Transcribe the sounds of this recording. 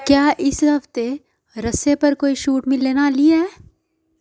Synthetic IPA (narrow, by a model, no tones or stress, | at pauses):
kjaːʔɪsɦɐft̪e | ɾɐsepɐɾkoːiʃuːʈmɪlːeːnaliɛː